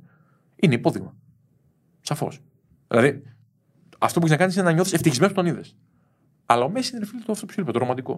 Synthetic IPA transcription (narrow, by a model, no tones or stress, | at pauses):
ineipo̞ðiɣmɐ | sɐfo̞̰s | ðilɐði | ɐ̰ft̪opueçenɐkɐnisinenɐɲoθiseft̪içizmenst̪o̞niðe̞s | ɐlɐomesineɾefilt̪oft̪opsilipɐt̪oɾomɐt̪iko̞̰